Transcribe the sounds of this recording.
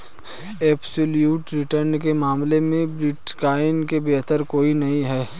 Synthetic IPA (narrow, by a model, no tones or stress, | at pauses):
eːpʰsʊljuːʈɾɪʈəɾnkemaːmlemẽbɾɪʈkaːɪnkebeːt̪əɾkoːinɐɦĩɦɛː